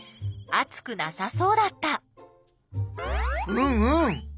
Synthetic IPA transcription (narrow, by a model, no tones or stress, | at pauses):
at͡sɨ̥kɯ̟nasaso̞ːd̪at̪ːa | ɯ̃ɯ̃